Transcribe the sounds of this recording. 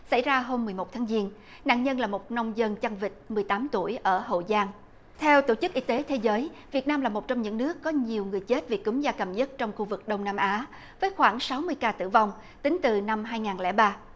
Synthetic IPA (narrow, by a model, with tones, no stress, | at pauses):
sa̰˧˩jzaː˧ɦo˧mːɨ˨˩jmo˨˩t̪ʰaː˨˦ŋzi˧ən | na̰ː˧˨nɲə˧nlaː˨˩mo˨˩t̚nə˧wŋ͡mzə˧nt͡ɕa˧ŋvï˨˩k̟̚mɨ˨˩əjt̪aː˨˦mt̪u˧˩əjʔəː˧˩ho̰˧˨zaː˧ŋ | t̪ʰɛ˧wt̪o˧˩t͡ɕɨ˦˥k̚ʔi˧t̪e˨˦t̪ʰe˨˦zəː˨˦jvi˨˩ət̚naː˧mlaː˨˩mo˨˩t̚t͡ɕɔ˧wŋ͡mɲɨ̰˧˥ŋnɨ˦˥əkːɔ˨˦ɲi˨˩əwŋɨ˨˩əjt͡ɕe˦˥t̚vḭ˨˩ku˨˦mzaː˧kə˨˩mɲə˦˥t̚t͡ɕɔ˧wŋ͡mxu˧vɨ˨˩k̚ɗə˧wŋ͡mnaː˧mʔaː˨˦ | vəː˨˦jxwaː˧˩ŋsa˨˦wmɨ˧əjkaː˧t̪ɨ̰˧˩va˧wŋ͡m | t̪ï˨˦ŋt̪ɨ˨˩na˧mɦaː˧jŋaː˨˩nlɛ̰˧˥ɓaː˧